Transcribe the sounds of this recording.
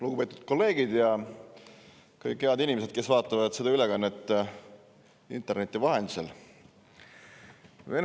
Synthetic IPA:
luɡ̥upe̞ːt̪ud̪̥̚ko̞lːe̞ːɡ̥id̪jɑ | kɯjkhe̞ɑd̪inʲimese̞d̪̥̚ke̞svɑːt̪ˑːɑvɑd̪̥sed̪̥ɑylekɑnːet̪ˑː | ḭnt̪ˑe̞rnet̪ːˑivɑɦe̞nd̪̥i̥sḛl | ven

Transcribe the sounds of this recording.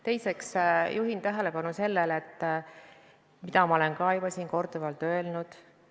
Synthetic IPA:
t̪e̞jse̞ksjuɦint̪æɦe̞le̞pɑnuse̞lːelet̪ː | mid̪ɑmɑo̞le̞nkɑjubɑsiːnko̞rd̪uvɑlt̪ø̞elnud̪̥

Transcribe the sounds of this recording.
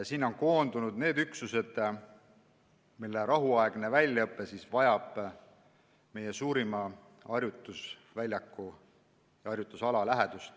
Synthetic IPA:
siːnːo̞nko̞ːnd̪unud̪̥ne̞ːd̪yksuse̞d̪̥ | milːeɾɑɦuɑeɡ̥ne̞vælʲjɑɤpːˑe̞sisvɑjɑb̥ | me̞jesuːɾimɑ | ɑrjut̪ːˑusvælʲjɑkːu | jɑɑrjut̪ːˑusɑlɑlæɦed̪̥ust̪

